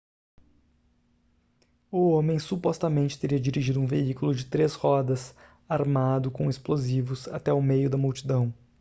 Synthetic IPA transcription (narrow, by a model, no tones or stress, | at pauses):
ʊõmẽj̃supɔst̪ɐmẽnt͡ʃɪt̪eɾiɐd͡ʒiɾiʒid̪ʊũveikʊlʊd͡ʒɪt̪ɾeshɔd̪ɐs | aɾmad̪ʊkõesplozivʊsa̰t̪ɛʊmejʊd̪ɐmuwt͡ʃid̪ɐ̃w̃